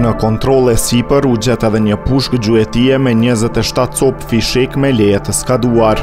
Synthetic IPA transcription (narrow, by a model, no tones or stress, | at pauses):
nəkɔnt̪ɾɔlˠɛsipəɾud͡ʑɛt̪ɛðɛɲəpuʃkd͡ʑuɛt̪iɛmɛɲəzɛt̪ɛʃt̪at̪sɔpfiʃikmɛlɛjɛt̪əskad̪uaɾ